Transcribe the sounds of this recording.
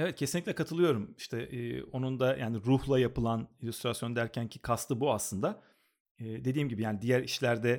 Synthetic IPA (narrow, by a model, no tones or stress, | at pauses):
evɛt̪̚cʰe̞sinlʲicʲtlʲɛkʰat̪ʰɯlˠɯjo̞ɾumi̥ʃt̪ʰɛʔːo̞nund̪ajʔaːniɾuhlˠajapɯlˠanilʲyst̪ɾasjo̞nd̪æɾcʰæncʰikʰast̪ʰɯbuaslˠɯnd̪a | ɛːd̪e̞d̪iːmɟibijaːnid̪ijæɾiʃlʲæɾd̪ɛ